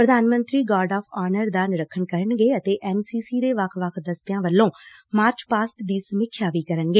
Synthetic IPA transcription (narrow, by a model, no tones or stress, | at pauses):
pɾəd̪aːnmə̃nt̪ɾiːɡaːɾɖaːpʰaːnəɾd̪aːnɪɾəkʰːənkəɾəɳɡeːət̪eːʔɛːmsiːsiːd̪eːʋəkʰʋəkʰd̪əst̪jãːʋəlːõːmaːɾt͡ʃpaːsʈd̪iːsəmɪkʰːjaːʋiːkəɾənɡeː